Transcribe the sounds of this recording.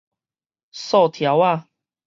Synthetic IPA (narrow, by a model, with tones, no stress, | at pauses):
sɔ˥˧˨t̪ʰja˨˦wa˥˧˨